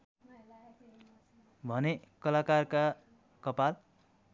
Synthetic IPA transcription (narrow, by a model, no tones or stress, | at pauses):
bʱʌnekʌlakarka | kʌpal